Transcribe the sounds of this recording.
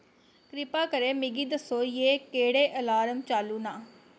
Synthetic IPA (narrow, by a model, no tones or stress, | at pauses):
kɾɪpaːkəɾeːmɪɡiːd̪əsːoːjeːkeːɽeːʔəlaːɾəmt͡ʃaːluːnaː